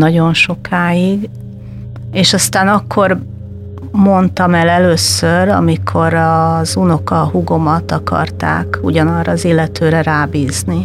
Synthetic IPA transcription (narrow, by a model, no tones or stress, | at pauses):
nɒɟo̞nʃo̞kʰaːjiɡ | eːʃɒst̪aːnɒkʰːo̞r | mo̞nt̪ɒmɛlɛløːsøɾɒ̰mikʰo̞ɾɒzuno̞kɒɦuɡo̞mɒt̪ɒkɒ̰rt̪a̰ːkṵɟɒnɒrːɒːziːlːɛt̪øːɾɛɾaːbiːzni